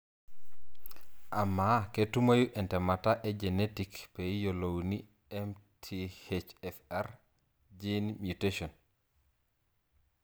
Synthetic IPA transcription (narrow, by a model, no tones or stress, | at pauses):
ʔamːaketːumajuʔɛntɛmataʔɛd͡ʒɛnetikpɛjjɔlowni | ɛmtʰihet͡ʃɛfaɾ | d͡ʒinmjuteʃɔn